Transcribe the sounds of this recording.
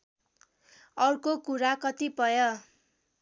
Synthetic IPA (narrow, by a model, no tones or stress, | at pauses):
ʌrkokuɾakʌt̪ipʌjʌ